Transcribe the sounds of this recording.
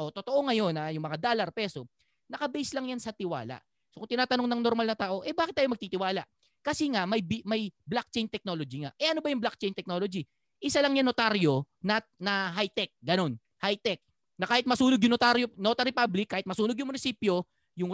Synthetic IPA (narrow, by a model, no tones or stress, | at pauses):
ʔot̪ot̪o̞ʔo̞ŋɐjo̞najʊŋmɐŋad̪oːlɐrpɛːso̞ | nɐkɐbɛjslɐŋjansɐt̪ɪwa̰ːla̰ʔ | sokʊŋt̪ɪnaːt̪ɐnoŋnɐŋno̞ɾmalnɐt̪aːʔo̞ʔɛbaːkɪt̪ːaːjomɐɡ̚t̪iːt̪ɪwaːlaʔ | kɐsɛŋamɐjbmɐjblak̚t͡ʃɛjnt̪ɛk̚nolo̞d͡ʒiŋaʔʔɛʔɐno̞bɐjʊŋblak̚t͡ʃɛjnt̪ɛk̚no̞ːlo̞d͡ʒi | ʔɪsalɐŋɲanot̪aɾjo | nɐnɐɦajt̪ɛk̚ɡɐno̞n | hajt̪ɛk̚ | nɐkaːhɪt̪mɐsuːnoɡjʊŋnot̪aɾjonot̪ɐɾɪpablɪkːaːhɪt̪mɐsuːnoɡjʊŋmʊnɪsiːpjo̞ | jʊŋ